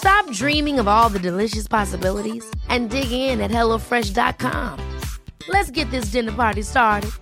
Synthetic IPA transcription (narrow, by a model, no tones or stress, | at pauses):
stɑp̚dɹĩmɪ̃ŋʌvɔlˠðɨdɨlɪʃɨspʰɑsəbɪlˠəɾiz̥ʔɨ̃ndɪɡɪŋɪ̃nɨt̚hɛlˠoʊfɹɛʃdɑ̰t̚kʰɑ̰̃mlɨtsɡ̥ɛt̪̚ðɪs̬d̥ɪ̃nə˞pɑɹɾistɑɹɾɨd̥̚